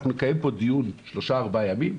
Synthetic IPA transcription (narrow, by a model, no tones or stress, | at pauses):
nunekajempo̞d̪ijunʃlo̞ʃaːʁbajamim